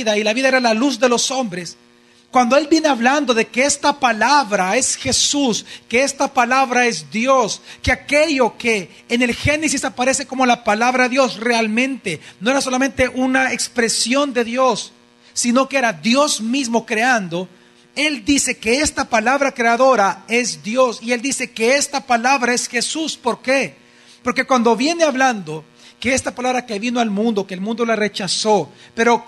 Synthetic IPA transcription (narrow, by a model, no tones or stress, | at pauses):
ðailaβiðaeɾalaluzðe̞lo̞so̞mbɾe̞s | kwand̪o̞e̞lbjene̞aβland̪o̞ðe̞ke̞est̪apalaβɾae̞sxe̞suske̞est̪apalaβɾae̞zd̪jo̞skeakeʝo̞ke̞ː | ne̞lxe̞ne̞sisapaɾe̞se̞ko̞mo̞lapalaβɾaðeðjosre̞almẽ̞nt̪e̞no̞eɾaso̞lamẽ̞nt̪e̞ʔunaekspɾe̞sjo̞nd̪e̞ðjo̞sː | ino̞kee̞ɾaðjo̞zmizmo̞kɾe̞and̪o̞ | e̞ld̪ise̞ke̞e̞st̪apalaβɾakɾe̞aðo̞ɾae̞zd̪jo̞sie̞ld̪ise̞ke̞e̞st̪apalaβɾae̞sxe̞suspo̞ɾke̞ | po̞ɾke̞kwand̪o̞βje̞ne̞aβland̪o̞ | ke̞est̪apalaβɾakeβino̞almũnd̪o̞ke̞ːlmũnd̪o̞lare̞t͡ʃaso̞pe̞ɾo̞